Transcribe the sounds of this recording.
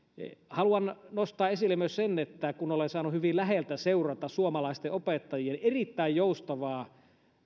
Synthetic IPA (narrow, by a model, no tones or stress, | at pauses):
hɑluɑnnost̪ɑːesilːemyøssenːet̪ːækunolensɑːnuhyʋilæɦelt̪æseurɑt̪ɑssuomɑlɑˑist̪eʔopet̪ːɑjienerit̪ːæijjoust̪ɑʋɑː